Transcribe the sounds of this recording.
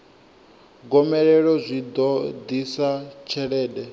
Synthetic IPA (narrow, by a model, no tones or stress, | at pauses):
ɡɔmɛɺɛɺɔzʷid̪ɔd̪isat͡ʃʰɛɺɛːdɛ